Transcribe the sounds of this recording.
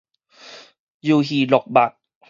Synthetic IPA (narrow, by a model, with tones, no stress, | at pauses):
juː˧ɦiː˨˩lo˨˩k̚ba˨˩t̪̚